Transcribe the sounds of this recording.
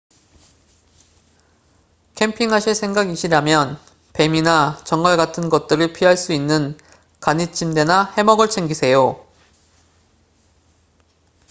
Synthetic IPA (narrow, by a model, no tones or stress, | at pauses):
kʰe̞mpʰiŋɦaɕʰiɭsʰe̞ŋɡaɡiɕʰiɾjamjʌn | pe̞minat͡ɕʌŋɡʌɭɡatʰɯnɡʌt̚t͈ɯɾɯɭpʰiɦaɭs͈uinːɯn | kaɲit͡ɕʰimde̞nahe̞mʌɡɯɭt͡ɕʰeŋɡisʰe̞jo